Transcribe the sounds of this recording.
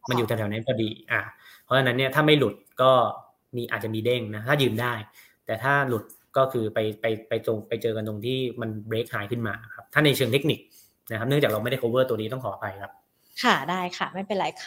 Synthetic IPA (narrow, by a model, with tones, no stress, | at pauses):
ma˧nju˨t̪ɛ˧˩ɛ˩˦na˦˥kɔː˥˩diː˧ʔaː˨˩pʰɔ˦˥t͡ɕʰa˧na˦˥nːi˥ɐt̪ʰaː˥˩ma˥˩jlu˨˩t̪̚kɔː˥˩ | miː˧ʔaː˨˩t̪̚t͡ɕa˨˩miː˧de˥˩ŋna˦˥a˦˥t̪ʰaː˥˩jɯː˧mdaː˥˩j | t̪ɛː˨˩t̪ʰaː˥˩lu˨˩t̪̚ | kɔː˥˩kʰɯː˧pa˧jpa˧jpa˧jt̪o˧ŋpa˧jt͡ɕɤː˧ka˧nt̪o˧ŋt̪ʰiː˥˩ma˧nbɾeː˦˥k̚ɦaː˩˦jkʰɯ˥˩nmaː˧na˦˥˩kʰa˦˥p̚t̪ʰaː˥˩na˧jt͡ɕʰɯ˧ŋt̪ʰe˦˥k̚ni˨˩k̚ | na˦˥kʰa˦˥pnɯ˥˩ŋt͡ɕaː˨˩kɾa˧ma˥˩˨da˥˩koː˧wɤː˥˩t̪u˧ni˦t̪ɔ˥˩ŋkʰɔː˩˦˨pʰa˧jkʰa˦˥p̚ | kʰa˥˩daː˥˩jkʰa˥˩ma˥˩jpe˧nlaː˨˦jkʰ